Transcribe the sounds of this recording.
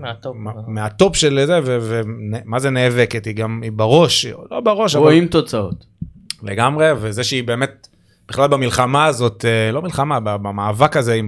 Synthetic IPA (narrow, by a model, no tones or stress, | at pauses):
ameat̪o̞pʃelzevevenemazeneːveket̪hiɡamibaʁo̞ʃlo̞beʁo̞ʃaoaimt̪ot͡sao̰t̪ | leɡamʁe̞vezeʃeibeːmet̚ | b̥iχlalbamilχamaːzo̞telo̞milχamababamaːvakazeim